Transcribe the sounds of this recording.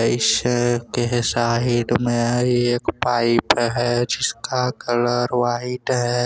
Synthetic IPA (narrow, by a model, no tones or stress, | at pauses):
ɪskeɦsaːɦɪɖ̪mẽeekpaːɪpɦɛd͡ʒɪskakələɾʋaːɦɪd̪ɦɛ